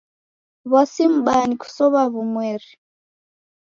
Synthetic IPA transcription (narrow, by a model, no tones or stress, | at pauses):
βasim̩ɓaniku̥sɔβaβumweri